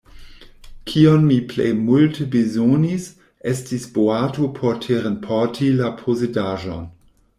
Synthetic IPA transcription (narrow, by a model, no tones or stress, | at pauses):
kʰiɔnmiplḛjmultʰəbezonis | ʔɛstisb̥oaːtopʰɔtʰeːʁənpʰɔtʰilapʰozedaːʒɔ̰n